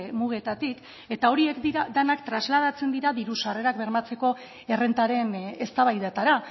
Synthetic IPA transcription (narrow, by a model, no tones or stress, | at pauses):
muɣ̞e̞t̪at̪ik | e̞t̪ao̞ɾie̞kd̪iɾad̪anakt̪ɾazlað̞at͡se̞nd̪iɾaðiɾusare̞ɾakbe̞ɾmat͡se̞ko̞ | e̞re̞nt̪aɾe̞ne̞st̪aβajðat̪aɾa